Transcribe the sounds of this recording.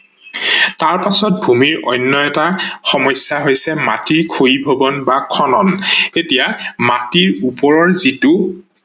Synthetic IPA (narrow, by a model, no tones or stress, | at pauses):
taɹpasɔt̚bʱumiɹʔɔ̰jnːɔɛtaxɔmɔjsjaɦojsɛma̰tiɹkʰojibʱobɔnbakʰɔnɔnetijamatiɹupɔɹɔɹzitʊ